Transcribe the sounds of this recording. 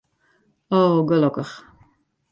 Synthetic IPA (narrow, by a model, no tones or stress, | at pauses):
owɡələkəχ